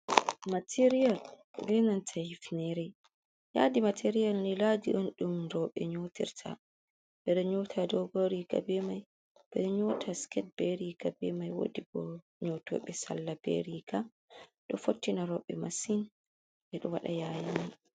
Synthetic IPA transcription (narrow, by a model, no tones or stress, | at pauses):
matʰiɾijal | bɛnantʰahifnɛɾɛ | ja̰dimatʰeɾijalniladiɗɔnɗumɾɔɓɛ̰ɲotḭɾtʰa̰ | ɓɛɗɔɲoːtʰadɔɡoɾiɡa̰bɛmaj | bɛɗɔɲotʰaskɛt̚beɾiɡabɛmajwo̰diɡɔ | ɲotɔ̰ːɓɛsa̰lːab̥ḛɾiɡa | ɗɔfotːinaɾɔɓɛmasin | ʔɛɗɔwa̰ɗajaːjini